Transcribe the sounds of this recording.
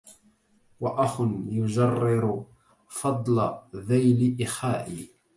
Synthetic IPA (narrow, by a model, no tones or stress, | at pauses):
waʔaxʊnjʊd͡ʒɑrːɪɾ | fɑd̪ˤlaðajlɪʔɪxaːʔiː